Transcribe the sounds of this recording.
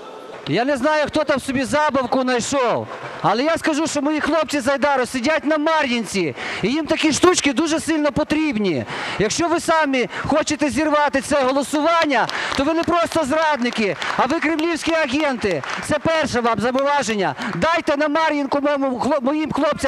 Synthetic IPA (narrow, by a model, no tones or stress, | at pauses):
janɛznɑjʊxt̪ɔt̪ɑwsɔbʲizɑbɐwkʊnɐjʃɔwɐlˠɛjaskɐʒuʃt͡ʃɔmɔjixlˠɔp̚t͡sʲizɐjd̪ɑɾʊsɪdʲatʲnɐmɑɾʲjinʲt͡sʲiijimt̪ɐkʲiʃt̪ut͡ʃkɪd̪uʒɛsɪlʲnɔpɔt̪ɾʲibnʲijɐkʃt͡ʃɔʋɪsɑmixɔt͡ʃet̪ɛzʲirʋɑt̪ɪt̪sɛɦɔlˠɔsʊʋɑnʲːɐt̪ɔʋɪnɛpɾɔst̪ɔzɾɑd̪nɪkɪɐʋɪkɾɪmlʲiwsʲkʲiɐɣʲɛnt̪ɪt̪sɛpɛrʃɛʋɑmzɐmʊʋɑʒenʲːɐd̪ɑjt̪ɛnɐmɑɾʲjinkʊmɔmʊxˠmɔjimxlˠɔp̚t͡sʲɐ